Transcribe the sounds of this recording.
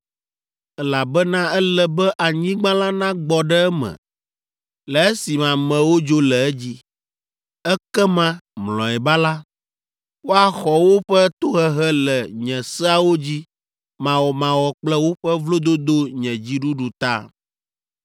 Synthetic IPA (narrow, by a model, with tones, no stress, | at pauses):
ɛ˦la˨bɛ˦nã˦ɛ˦lɛ˨bɛ˦ʔa˨ɲĩ˦ɡ͡bã˦la˦nã˦ɡ͡bɔ˨ɖɛ˦ɛ˦mɛ̰̃˨ | lɛ˨ɛ˦si˨mã˨mɛ̃˨wo˦d͡ʒo˦lɛ˨ɛ˦d͡ʑi˦ | ɛ˦kɛ˦mã˦mlɔ̰̃˨ɛ˨ba˦la˦ | wo˦a˨xɔ˨wo˦ɸɛ˦t̪o˦ɦɛ˦ɦɛ˦lɛ˨ɲɛ̃˨sɛ˦a˦wo˦d͡ʑi˦ | mã˨wɔ˨mã˨wɔ˨k͡plɛ˦wo˦ɸɛ˦vlo˦d̪o˦d̪o˦ɲɛ̃˨d͡ʑi˦ɖu˦ɖu˨t̪a̰˦